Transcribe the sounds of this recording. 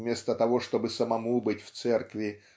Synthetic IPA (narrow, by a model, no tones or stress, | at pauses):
mʲe̞st̪ət̪ɐvo̞ʂt̪o̞bɨsəmɐmubɨtʲft̪sɛrkvʲɪ